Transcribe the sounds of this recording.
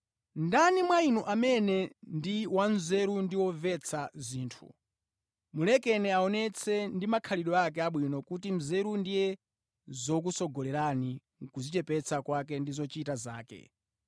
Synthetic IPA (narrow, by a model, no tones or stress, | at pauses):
ndanimwainuʔamɛnɛndiwan̩zɛɾundiwɔvɛt͡sʰaziːntʰṵ | mulɛkɛnɛaɔnɛt͡sʰɛndimakʰaliɗɔak̬ɛaɓwinɔkutim̩zɛɾundijɛ | zɔk̬usɔɡɔlɛɾani | kuzit͡ʃɛpɛt͡sʰakwak̬ɛndizɔt͡ʃitaza̰ːkɛ̰